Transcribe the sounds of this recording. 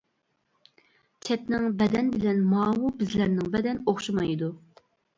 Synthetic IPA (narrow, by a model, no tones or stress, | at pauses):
t͡ʃʰɛtnɪŋbɛd̪ɛnbɪlɛnmɑːwubɪzlæɾnɪŋbɛd̪ɛnoχʃumɑjid̪u